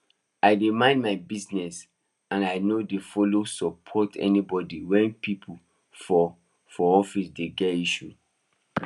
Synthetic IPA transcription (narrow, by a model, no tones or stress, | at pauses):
aɪdemãɪ̃ndmaɪbiznɛs | ãnaɪnodefɔlosɔpʰɔtɛ̰nibɔdiwɛ̃npʰipʰu | fɔ | fɔɔfisdeɡɛtiʃṵ